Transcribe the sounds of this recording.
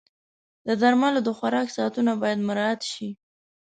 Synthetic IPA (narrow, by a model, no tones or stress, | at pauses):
d̪əd̪aɾmalod̪əxwaɾɑksɑt̪unabɑjad̪mʊɾɑat̪ʃi